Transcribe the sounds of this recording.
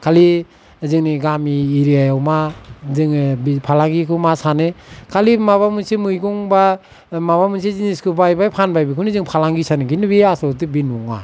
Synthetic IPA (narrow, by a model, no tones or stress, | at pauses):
kʰali | zɯŋniɡamiːɾiajawmazɯŋbipʰalaŋɡikʰɯmasanekʰalimaβamɯnsimɯjɡɔŋba | maβamɯns̬iziniskʰɯbajbajpʰanbajbikʰɯnizɯŋpʰalaŋɡisaneɡinɯbiasɔt̬ɯbinuŋa̰